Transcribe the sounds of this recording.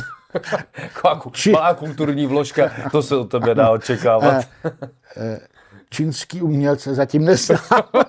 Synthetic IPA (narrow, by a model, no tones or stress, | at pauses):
kʰoakt͡ʃimalaːkult̪uɾɲiːvloʃkat̪osɛot̪ːɛbɛdaːot͡ʃɛkaːvat̪ | t͡ʃinskiːumɲɛlsɛzaciːmnɛzaː